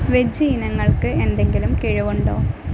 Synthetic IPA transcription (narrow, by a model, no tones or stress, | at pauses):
ʋed͡ʑiːnɐŋːɐɭkɨend̪e̞ŋɡilumkiɻuʋuɳɖoː